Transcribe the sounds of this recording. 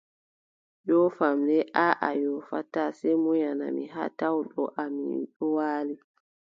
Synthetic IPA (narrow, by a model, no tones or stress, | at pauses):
jɔfamlɛʔaʔajɔfa̰tasɛmɔjana̰miɦa̰tawɗɔʔamḭɗɔwaːli